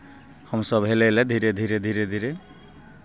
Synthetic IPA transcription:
hʌmsʌbɦeleled̪ʱiɾed̪ʱiɾed̪ʱiɾed̪ʱiɾe

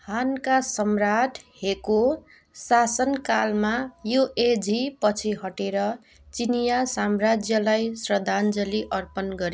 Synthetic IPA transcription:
hankasʌmraʈʰheko | sasʌnkalmajoʔed͡zʱipʌt͡sʰiɦʌʈeɾʌ | t͡sinijasamrad͡zjʌlajsrʌd̪ʱand͡zʌliʔʌrpʌnɡʌɾi

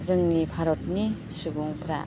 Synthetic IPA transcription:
zɯŋnipʰaɾɔt̚ni | subuŋpʰɾa̰

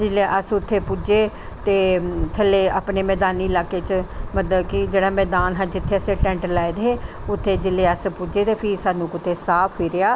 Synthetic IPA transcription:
d͡ʒɪleːʔəsʊt̪ʰːeːpud͡ʒeː | t̪eːt̪ʰəlːeːaːpneːmɛːd̪aːniːɪlaːkeːt͡ʃmət̪ləbkɪd͡ʒeːɽaːmɛːd̪aːnɦãːd͡ʒɪt̪ʰːeːəsẽːʈɛ̃ːɳʈlaːed̪eeː | ʊt̪ʰːeːd͡ʒɪlːeːəspud͡ʒeːt̪eːpʰɪsaːnũːkʊt̪ʰːeːsaːpʰːɪːɾɪjaː

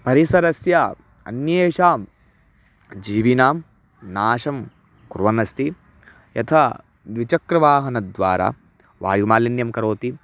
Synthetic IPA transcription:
pɐɾisɐɾɐsja | ɐ̰njeːʃaːm | d͡ʒiːʋinaːm | naːʃɐm | kuɾʋɐnɐst̪i | jɐ̰t̪ʰɐ | d̪ʋit͡ʃɐkɾɐʋaːɦɐnɐd̪ʋaːɾa̰ː | ʋa̰ːjumaːlinjɐmkɐɾoːt̪i

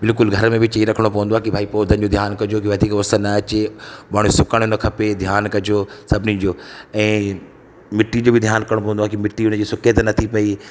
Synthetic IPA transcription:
bɪlkʊlɡʱɐɾəmẽbʱɪt͡ɕɐiɾɐkʰəɽ̃opɐʋə̃nd̪oaːkibʱaːipoːd̪ʱən̆d͡ʑod̪ʱjaːnkɐd͡ʑokiʋɐd̪iːkʋɐst̪ənɐɐt͡ɕebaːɽ̃usʊkəɽ̃ʊnɐkʰɐped̪ʱjaːnkɐd͡ʑosɐbʱnĩd͡ʑoːɛ̃ː | mɪʈːid͡ʑoːbʱɪd̪ʱjaːnkɐɾɽ̃opɐʋə̃nd̪aːkimɪʈːiʊnəd͡ʑiːsʊkʰet̪nɐt̪ʰipɐi

